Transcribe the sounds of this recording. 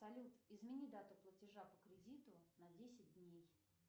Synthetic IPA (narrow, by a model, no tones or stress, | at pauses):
sɐlʲut̪ɪzmʲɪnʲid̪at̪ʊplˠətʲɪʐapəkɾʲɪdʲit̪ʊnɐdʲesʲɪt̚ʲdʲnʲej